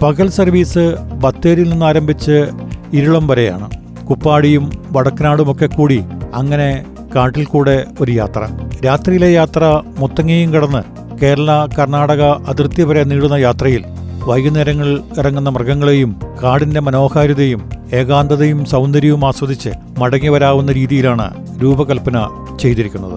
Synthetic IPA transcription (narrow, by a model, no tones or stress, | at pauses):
pɐɣɐlsɐrʋiːsɨbɐt̪ːe̞ːɾilninːaːɾɐmbʱit͡ɕːɨiɾuɭɐmʋɐɾeja̰ːɳɨ | kupːaːɽijumʋɐɽɐkːɐnaːɽumo̞kːe̞kːuːɽiɐŋːɐne̞ | kaːʈːilkuːɽe̞o̞ɾuja̰ːt̪rɐ̰ɾaːt̪rijile̞jaːt̪rɐmot̪ːɐŋːejumkiɽɐnːɨ | ke̞ːɾɐɭɐkɐrɳaːɽɐɣɐʔɐðirt̪jɐpɐɾeniːɽunːɐjaːt̪rɐjil | ʋɐjɣɐneːɾɐŋːɐɭirɐŋːunːɐmrɡɐŋːɐɭejumkaːɽinde̞mɐno̞ːhaːɾuðɐjume̞ːɡaːnd̪ɐðɐjumsɐwnd̪ɐɾjiʋumaːsʋɐd̪it͡ɕːɨ̰ | mɐɽɐŋːiʋɐɾaːʋunːɐɾiːðijilaːɳɨ̰ | ɾuːbɐkɐlpɐnɐ | t͡ɕe̞jt̪iɾikʲːunːɐ̰ðɨ̰